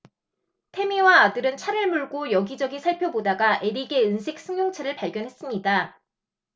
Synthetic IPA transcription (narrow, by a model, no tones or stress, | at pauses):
tʰe̞miwaːdɯɾɯnt͡ɕʰaɾɯɭmuɭɡojʌɡid͡ʑʌɡisʰaɭpʰjʌbodaɡaʔe̞ɾiɡe̞ɯnsʰe̞k̚s͈ʰɯŋjoŋt͡ɕʰaɾɯɭpaɭɡjʌnɦe̞s͈ɯmɲida